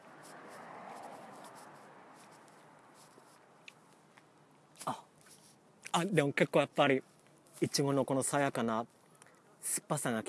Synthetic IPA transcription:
a | ad̪e̞mo̞ke̞kːo̞ːjapːaɾʲi | it͡ɕiɡo̞no̞ko̞no̞sajakana | sɨ̥pːasãŋɡakʲi̥

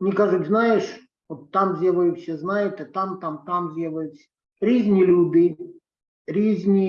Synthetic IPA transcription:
nʲɪkaʐʊt̪ʲznajɪʂ | ot̪ːamdʲelˠəjʊfsʲeznajɪt̪ɪt̪amt̪amt̪amdʲelˠəjʊsʲ | ɾʲizʲnʲɪlʲud̪ɨ | rʲizʲnʲɪ

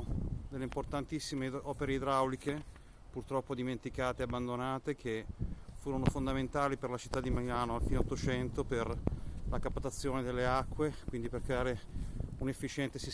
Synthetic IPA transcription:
d̪elːeimport̪ant̪isːimeɔːpeɾeid̪ɾawlike | purt̪ɾɔpːod̪iment̪ikaːt̪eabːand̪onaːt̪ek̟ʰefuːɾonofond̪ament̪aːliperlat͡ʃi̥t̪ːad̪ːimalaːnoalfiːneot̪ːot͡ʃɛnt̪operlakapːat̪at̪sːjoːned̪elːeakːwekwind̪iperkɾeaːɾeunefːit͡ʃɛnt̪esis

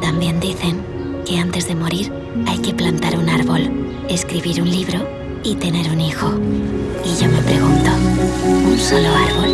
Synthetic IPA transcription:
t̪ambje̞nd̪iθe̞ŋ | ke̞ant̪e̞zðe̞mo̞ɾiɾ | ajke̞plant̪aɾunaɾβo̞l | e̞skɾiβiɾunliβ̞ɾo | it̪e̞ne̞ɾunixo̞ | iʝome̞pɾe̞ɣ̞unt̪ounso̞loaɾβol

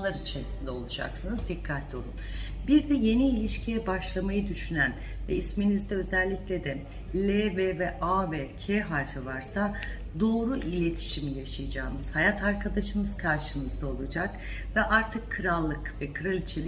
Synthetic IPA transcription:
lˠaɾit͡ʃʰeɾisind̪ɛo̞lˠud͡ʒa̰ksɯnɯzd̪ikʰːat̪lʲo̞̰lˠṵnbiɾd̪ɛje̞niːlʲiʃcʰijɛbaʃlˠamajɯd̪yʃynæn | vɛisminizd̪ɛø̞zɛlʲːiclʲe̞d̪ɛ | lʲevɛvɛʔaːvɛcʰeɦaɾfivaɾsa | d̪o̞ːɾuʔilʲe̞t̪ʰi̥ʃimijaʃajɯd͡ʒaːmɯz̥hajat̪ʰaɾkʰad̪aʃɯnɯz̥kʰaɾʃɯnɯzd̪ao̞lˠud͡ʒak | vɛʔaɾt̪ʰɯkʰːɯɾalˠːɯkvɛkʰɯɾalʲit͡ʃʰelʲi

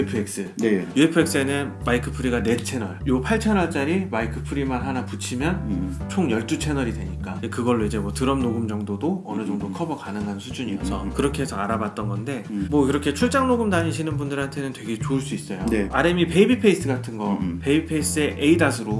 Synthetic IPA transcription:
epʰɯek̚s͈ɯnejue̞pʰɯe̞ks͈ɯe̞nɯnmaikʰɯ̥pʰɯɾiɡane̞t͡ɕʰe̞nʌɭjopʰaɭt͡ɕʰenʌɭt͡ɕ͈aɾimaikʰɯpʰɯɾimanɦanaput͡ɕʰimjʌnt͡ɕʰoŋjʌɭt͈ut͡ɕʰe̞nʌɾidwe̞ɲik͈anekɯɡʌɭːoid͡ʑe̞mwʌtɯɾʌmnoɡumd͡ʑʌŋdodoʌnɯd͡ʑʌŋdokʰʌbʌkanɯŋɦansʰud͡ʑuɲiʌsʰʌkɯɾʌkʰe̞ɦesʰʌaɾabat̚t͈ʌnɡʌnde̞mwʌkiɾʌkʰe̞t͡ɕʰuɭt͡ɕ͈aŋnoɡumdaɲiɕʰinɯnbundɯɾɦantʰe̞nɯntwe̞ɡe̞t͡ɕoɯɭs͈uis͈ʌjoneaɾemipeibipʰe̞is͈ɯɡatʰɯnɡʌpe̞ibipʰe̞is͈ɯe̞ʔeidasʰɯɾo

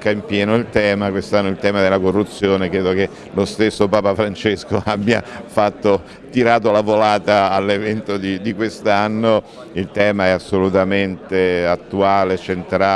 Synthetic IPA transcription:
kːaimpjɛːnoilt̪ɛːmakwest̪anːoilt̪ɛːmad̪elːakorːut̪sːjoːnekɾeːd̪oke | lost̪esːopaːpafɾant͡ʃeskoabːja̰fat̪ːo | t̪iɾaːt̪̬olavolaːt̪aːlːevɛnt̪od̪id̪ikwest̪anːo | ilt̪ɛːmaɛasːolut̪ament̪eat̪ːuaːlet͡ʃent̪ɾa

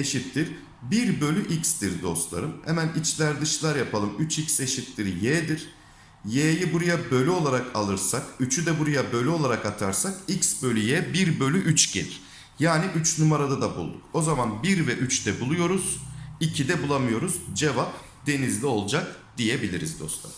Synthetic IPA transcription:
eʃit̪lʲiɾ | biɾbø̞lʲyʔicst̪iɾd̪o̞̰st̪lˠa̰ɾɯmhɛ̰mænit͡ʃlʲæɾd̪ɯʃlˠaɾjapʰalˠɯmyt͡ʃʰicse̞ʃit̪lʲiɾjɛːd̪iɾ̥ | jeːjibuɾajabø̞lʲyo̞lˠaɾakʰalˠɯɾsakyt͡ʃʰyd̪ɛbuɾajabø̞lʲo̞lˠaɾakat̪ʰaɾsakiksbølʲyjɛbiɾbø̞lʲyʔyt͡ʃɟḛlʲi | jaːniʔyt͡ʃnumaɾad̪ad̪abṵlˠd̪uko̞zamanbiɾvɛʔyt͡ʃd̪ɛbulˠujo̞ɾuz̥icʰid̪ɛbulˠamɯjo̞ɾuzd͡ʒe̞vap̚ | d̪̥e̞nizlʲio̞lˠd͡ʒak̚d̪̥ije̞bilʲiɾizd̪o̞̰st̪lˠa̰ɾɯm

